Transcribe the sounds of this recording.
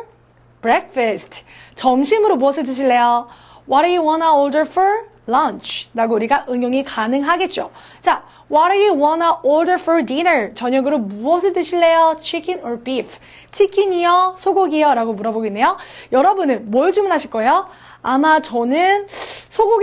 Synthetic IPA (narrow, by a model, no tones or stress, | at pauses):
bɾek̚fʰʌsʰtʰt͡ɕʌmɕʰimɯɾomuʌsʰɯɭt̬͈ɯɕʰiɭːe̞jo | wʌɾajuwʌnaoɭdəfɔɹ | lʌnt͡ɕʰɾaɡouɾiɡaʔɯŋjoŋikanɯŋɦaɡe̞t̚t͡ɕ͈o | t͡ɕa | wʌɾajɯwʌnaʔoɭdəfʰoɾdinʌɾt͡ɕʌɲʌɡɯɾomuʌsʰɯɭt͈ɯɕʰiɭːe̞jot͡ɕʰikʰenɔɾbif | t͡ɕʰikʰiɲiʌsʰoɡoɡijʌɾaɡomuɾʌboɡoinːe̞jojʌɾʌbunɯnmʌɭt͡ɕumunɦaɕʰiɭk͈ʌjo | amat͡ɕʌnɯnsʰoɡoɡ